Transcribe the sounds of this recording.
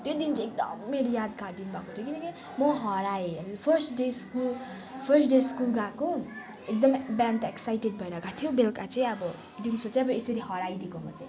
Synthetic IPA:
t̪jod̪int͡sãek̚d̪ʌ̰mːeɾjad̪ɡad̪inubʱakot̪ʰjokinʌki | mʌɦʌɾaenpʰʌrsʈɖeskul | pʰʌrsʈɖeskulɡako | ek̚d̪ʌmbant̪eksajʈeɖ̚bʱʌeɾʌɡat̪ʰjobelkat͡sãĩʌbʌ | d̪insot͡saj̃ʌbʌesʌɾiɦʌɾajd̪ikomʌt͡saĩ

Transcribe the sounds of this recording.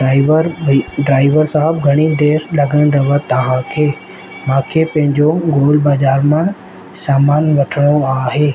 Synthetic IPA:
ɾɖɾaːɪʋəɾsaɦɪb̚ɡʱɐɽ̃id̪eːɾlɐɡə̃nd̪ɐʋət̪ɐʋ̤ãkʰeː | mãːkʰeːpɐ̃ɦɪ̃ɲd͡ʑoɡoːlbaːd͡ʑaːɾmã | saːmaːnʋɐʈʰəɽ̃oaːɦeː

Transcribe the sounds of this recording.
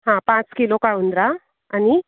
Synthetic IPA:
ɦãpãt͡skilokaunɖɾaː | ni

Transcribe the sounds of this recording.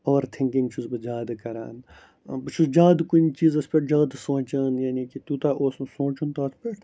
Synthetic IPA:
oːɾt̪ʰɪ̃ŋkɪ̃ŋt͡ʃʰuzbɨd͡ʒaːd̪kɐɾa̰ːn | bɨt͡ʃʰuzd͡ʒaːd̪kunt͡ʃiːzɐspʲeʈd͡ʒaːd̪sõːt͡ʃɐːnjaːniːkit̪uːt̪aʔoːssõːt͡ʃunt̪aɐspeʈ

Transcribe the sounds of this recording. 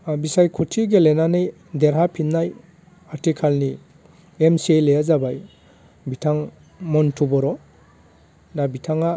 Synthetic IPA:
bisajkʰutʰiɡelenanɯj | deɾɦapʰinːaj | aɾtikʰalni | emsielejazabaj | bitʰaŋ | mɔntʰubɔɾɔ | nabitʰaŋa

